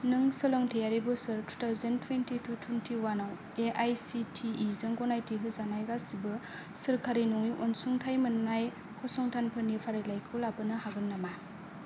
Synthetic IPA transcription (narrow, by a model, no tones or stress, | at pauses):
nɯŋsɯlɔŋtʰejaɾibusɯɾtʰu̥tʰawzentʰwentitʰutʰwentʰiwanaw | eʔajsitʰiːzɯŋɡɔnajtiɦɯzanajɡasibɯ | sɯɾkʰaɾinuŋiʔɔnsuŋtʰajmɯnːaj | kʰɔsɔŋtʰanpʰɯnipʰaɾilajkʰɯlabɯnɯhaɡɯnːama